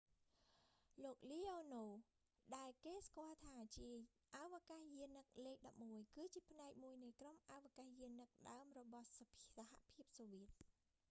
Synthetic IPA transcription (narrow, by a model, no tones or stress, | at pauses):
loːk̚liːʔoːnoː | ɗaɛlkeːskŏəlt̪ʰaːt͡ɕiə | ʔaʋakahjiənːɨk̚leːk̚ɗɑp̚muəjkɨːt͡ɕiəpʰnaɛk̚muəjnɨjkromʔawʋakahjiənːɨk̚ɗaəmrɔɓɑhsʰsaɦa̰ʔpʰiəp̚soːʋiət̪̚